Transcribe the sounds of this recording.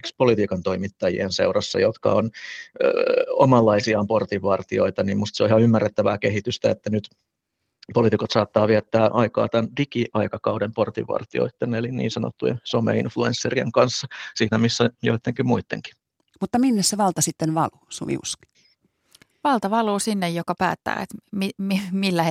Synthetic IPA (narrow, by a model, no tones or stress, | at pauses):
kspolit̪iːkɑnt̪oimit̪ːɑjḭenseurɑsːɑ̰jot̪kɑ̰on | omɑlːɑisiɑːmport̪iʋːɑrt̪io̰it̪ɑnimmust̪seoihɑymːærːet̪ːæʋæːkehit̪yst̪æet̪ːænyt̪ | polit̪ikot̪sɑːt̪ːɑːʋiæt̪ːæːʔɑikɑ̰ːt̪ændikiʔɑikɑkɑudemport̪ḭʋɑ̰rt̪io̰it̪ːenːelinnḭːnsɑno̰t̪ːujḛnsomḛḭnfluensːerieŋkɑnsːɑsiːnæmisːæjoit̪ːeŋkimmuit̪ːḛŋki̥ | mut̪ːɑminːesseʋɑlt̪ɑsit̪ːenʋɑ̰luːsṵmḭṵski̥ | ʋɑlt̪ɑʋɑluːsinːejjokɑpæːt̪ːæ̰ːet̪mimimilːæ